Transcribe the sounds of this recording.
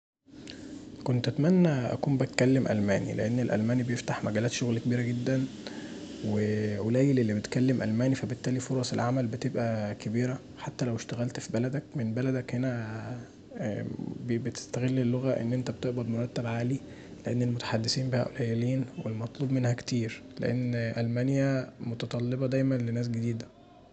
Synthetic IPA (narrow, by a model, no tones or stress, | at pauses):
kont̪ʔæt̪mænːæʔæ̰kuːmbet̪kælːemʔæ̰lmæ̰ːnḭlḛʔenːelʔæ̰lmæːnibejeft̪aħmæɡæːlæːt̪ʃoɣlkebiːɾæɡed̪ːæn | weʔolæːjelelːibet̪kælːemʔæ̰lmæːnifæbet̪ːæːlifoɾˤɑselʕamælbet̪ebʔækæbiːɾæ | ħat̪ːælæweʃt̪æɣælt̪fibælæd̪ækmenbælæd̪ækhenæ | bbet̪e̥st̪æɣelːelːoɣæʔḛnːʔent̪æbet̪eʔbæd̪moɾˤɑt̪ːæbʕaːli | leʔenːelmot̪ḁħad̪ːesiːmbehæ̰ʔolæjeliːnwelmɑt̪ˤluːbmenhækt̪iːɾlḛʔḛnːʔælmænjæmot̪ɑt̪ˤɑlːebɑd̪æjmænlenæːs̬ɡed̪iːd̪æ